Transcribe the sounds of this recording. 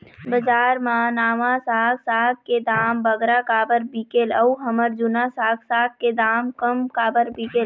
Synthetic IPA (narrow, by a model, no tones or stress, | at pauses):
bəd͡ʒaːɾmaːnaːmasaːɡsaːɡ̚ked̪aːmbəɡɾakaːbəɾbiːkeːləuɦəməɾd͡ʒʊnasaːɡsaːɡ̚kːed̪aːmkəmkaːbəɾbikeːl